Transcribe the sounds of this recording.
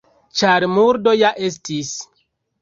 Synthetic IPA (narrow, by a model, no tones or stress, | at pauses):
t͡ʃaɾmuɾdo̞jaʔe̞s̬tis